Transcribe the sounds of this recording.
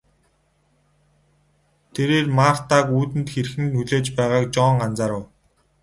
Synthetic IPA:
t̪ʰeɾeːrmaːr̥t̪aːkuːt̪ɘ̆nt̪xerxɘ̆nuɮeːt͡ɕpæːʁaːk̚t͡ɕɔːŋɢant͡saːɾə̆w

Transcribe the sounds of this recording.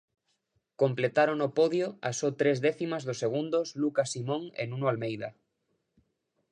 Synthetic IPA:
komplet̪aɾonopɔðjoa̰sɔt̪ɾezðɛθimazðʊsːeɣ̞und̪oslukasimõŋḛnũnoalmejðɐ

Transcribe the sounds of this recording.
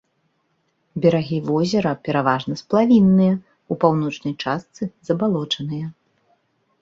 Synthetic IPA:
bʲɛɾaɣʲivɔzʲɛɾɐpʲɛɾavaʐnɐsplˠavʲinːɨjɐ | upawnɔt͡ʂnɐjt͡ʂast̪sɨzɐbalˠɔt͡ʂɐnɨjɐ

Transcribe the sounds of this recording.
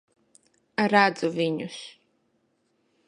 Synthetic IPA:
ɾad̪zuviɲus

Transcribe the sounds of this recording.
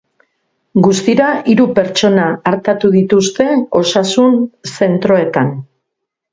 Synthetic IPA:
ɡust̪iɾaiɾupe̞ɾt͡ʃo̞naːɾt̪at̪uðit̪ust̪e̞o̞sasunse̞nt̪ɾo̞e̞t̪an

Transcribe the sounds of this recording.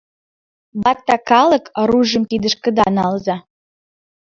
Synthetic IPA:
bɑk̚t̪ɑkɑlə̆kɾuʒə̆mkid̪ə̆ʃkə̆d̪ɑ̰nɑlzɑ

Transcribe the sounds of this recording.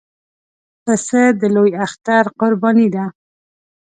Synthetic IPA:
pəsəd̪əlojaxt̪aɾqʊɾbɑnid̪a

